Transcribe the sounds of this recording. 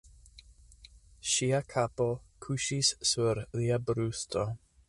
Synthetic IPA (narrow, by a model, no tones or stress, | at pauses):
ʃiakʰapokʰuʃissuɾliabɾustʰo